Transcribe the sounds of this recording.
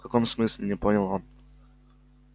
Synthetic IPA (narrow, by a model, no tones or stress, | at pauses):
kɐko̞msmɨsʲlʲɪnʲɪponʲəlˠon